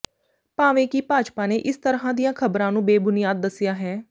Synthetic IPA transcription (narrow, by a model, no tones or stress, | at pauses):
paːʋẽːkiːpaːt͡ʃpaːneːʔɪst̪əɾɦãːd̪ɪjãːkʰəbɾãːnũːbeːbʊnɪjaːd̪ːəsːɪjaːɦɛː